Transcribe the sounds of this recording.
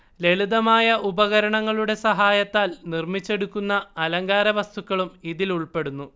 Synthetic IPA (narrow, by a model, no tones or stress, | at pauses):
le̞ɭuðɐmaːjɐʔubɐɣɐɾɐɳɐŋːɐɭuɽe̞sɐɦaːjɐt̪ːaːlnirmit͡ɕːe̞ɽukːunːɐɐlɐŋɡaːɾɐʋɐst̪ʰukːɐɭumiðiluɭpe̞ɽunːu